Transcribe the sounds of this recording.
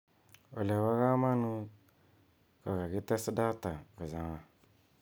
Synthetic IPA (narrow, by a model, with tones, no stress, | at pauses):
o̰˨le˨wa˦ɣa˦ma˦nu˦ | ka˨ka˨ɡi˦tɛ˦sda˦ta˨kə˨za˨ŋa˨